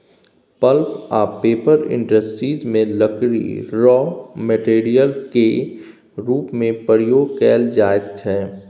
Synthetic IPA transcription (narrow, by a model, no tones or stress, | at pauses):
pəlkaːpeːpəɾɪ̰̃ɳɖəsʈɾiːzmẽləkɾḭɾɔːmeʈeːɾijəlke | ɾuːpmẽpəɾɪjoːɡkɛːld͡ʒaːɪt̪t͡ʃʰɛː